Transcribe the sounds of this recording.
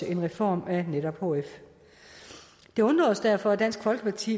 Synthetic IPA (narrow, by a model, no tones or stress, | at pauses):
e̝nʁɛfɒ̰ːmæneɾ̥ɒb̥hoːef | d̥e̝ɔ̽nd̥ʁɒ̰ːsd̥æɐ̰fɒ̽æd̥æn̰sɡ̥fɒ̽lɡ̥ə̥pʰɑ̈t͡sʰḭː